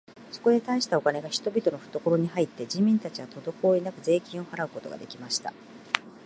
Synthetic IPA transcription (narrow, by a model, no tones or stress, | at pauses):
so̞̥ko̞d̪e̞t̪aiɕi̥t̪ao̞kane̞ɡaçi̥t̪o̞bʲit̪o̞no̞ɸɯ̟̥t̪o̞ko̞ɾo̞ɲ̟iɦait̪ːe̞d͡ʑimʲĩnt̪at͡ɕiβat̪o̞d̪o̞ko̞ːinakɯ̟ze̞ːkʲĩɰ̃o̞haɾaɯ̟ko̞t̪o̞ɡa̰d̪e̞kʲimaɕi̥t̪a̰